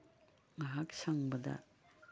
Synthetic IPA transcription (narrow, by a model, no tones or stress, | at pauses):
ŋɐɦaksaŋbɐdɐ̰